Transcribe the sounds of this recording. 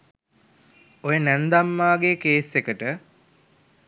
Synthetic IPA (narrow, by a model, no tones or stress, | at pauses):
ojənænd̪amːaːɡekeːsːekəʈə